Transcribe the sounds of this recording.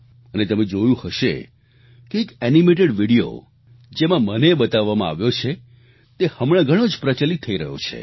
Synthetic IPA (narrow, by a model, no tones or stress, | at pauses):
ənet̪əmẽd͡ʒojũhəʃḛ | keːkɛnimeʈ̬eɽʋiɽio̰ | d͡ʒemãmənebət̪aʋːamãa̰ʋjot͡ʃʰe | t̪ehəmɭ̃ãɡʱəɽ̃od͡ʒpɾət͡ʃəlit̪ʰːəiɾəɦjo̰t͡ʃʰḛ